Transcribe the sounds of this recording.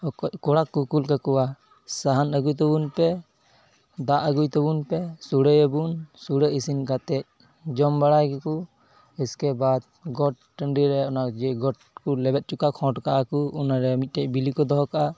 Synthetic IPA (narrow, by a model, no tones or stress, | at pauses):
ɔkɔckɔɽakːukulkakɔwa | saɦanəɡujt̪ɔbunpɛ | d̪aʔəɡujt̪ɔbunpɛsuɽəjəbunsuɽəisinkat̪ɛc̚ | d͡ʒɔmbaɽajkɛku | ɛskɛbad̪̚ | ɡɔʈ̚ːəɳɖiɾɛɔnad͡ʒɛɡɔʈ̚ | kulɛbɛt̪̚t͡ʃukakʰɔ̃ʈkaʔakuunaɾɛmit̪̚ˀʈɛc̚ˀbilikɔd̪ɔɦɔkaʔa